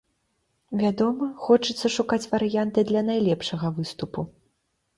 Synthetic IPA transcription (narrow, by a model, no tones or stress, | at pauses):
vʲad̪ɔmɐxɔt͡ʂɨt̪sɐʂukat͡sʲvɐɾɨjant̪ɨd̪lʲɐnajlʲɛpʂɐɣɐvɨst̪upu